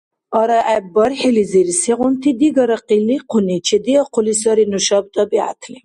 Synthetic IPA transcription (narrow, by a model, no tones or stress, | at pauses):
ɔɾaʔabɔɾħiliziɾisiʁumt̪ʰid̪iɡɔɾaqiliqʰunit͡ʃʰɛd̪iɔqʰulis̬ɔɾinuʃɑb̚t̪ɔbia̰t̪ʰli